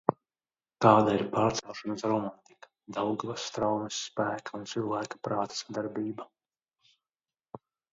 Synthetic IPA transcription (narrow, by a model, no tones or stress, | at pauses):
k̪aːd̪aiɾpaːɾt̪sɛwˠʃanasɾɔmant̪ikḁd̪awɡavasːt̪ɾawnɛsːpæːkʰaunt̪silˠvæːkḁpɾaːt̪ḁsad̪aɾbiːba